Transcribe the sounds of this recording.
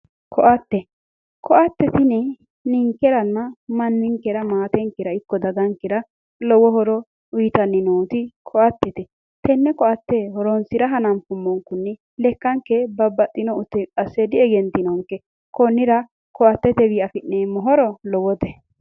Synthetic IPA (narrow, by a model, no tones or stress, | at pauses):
kʰɔʔɐt̪ːɛ | kʰɔʔɐt̪ːɛt̪ɪnɛ | nɪŋkːɛɾɐnːɐmɐnːɪŋkːɛɾɐmaːt̪ɛŋkːɪɾɐɪkːɔd̪ɐɡ̪ɐŋkɪɾɐ | lɔwɔɦɔɾɔ | ʊjt̪ɐnːɪnoːt̪ɪkʰɔʔɐt̪ːɛt̪ɛ | t̪ɛnːɛkɔʔɐt̪ːɛhɔɾɔnsɪɾɐɦɐnɐmpʊmːɔŋkʊnːɛ | lɛkːɐŋkːɛbɐbːɐt̪ʼːɪnɔʊt̪ːɛkʼɐsːɛd̪ɪɛɡɛnt̪ːɪnɔŋkːɛ | kɔnːɪɾɐ | kɔɐt̪ːɛt̪ɛβiɐfɪʔːeːmɔɦɔɾɔlɔwɔt̪ɛ